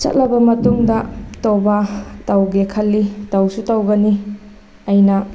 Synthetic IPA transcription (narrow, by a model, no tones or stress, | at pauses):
t͡ʃɐ̰t̚lɐbɐmɐtuŋdɐtobɐtɐwɡekʰɐlːitɐwsutɐwɡɐni | ɐjnɐ